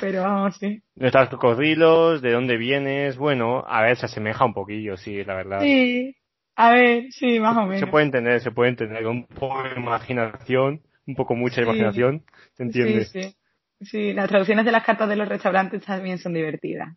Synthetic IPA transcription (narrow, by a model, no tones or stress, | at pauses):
pe̞ɾoβamosi | nost̪askorilozðe̞ðo̞nd̪e̞βje̞nesβwe̞noa̰βe̞ɾsease̞me̞xaumpo̞kiʝosielaβeɾðasi | aβe̞ɾsimasomẽseweðent̪e̞nd̪e̞ɾs̬e̞pwe̞ðent̪e̞nd̪eɾkoumpokoimaxinaθjo̞n | umpokomut͡ʃaimaxinaθjo̞n | se̞nt̪jend̪esi | silast̪ɾaðuθjo̞nezðelahkaɾt̪azðe̞lo̞re̞st̪awɾant̪e̞st̪amje̞nso̞nd̪iβe̞ɾt̪ḭða̰s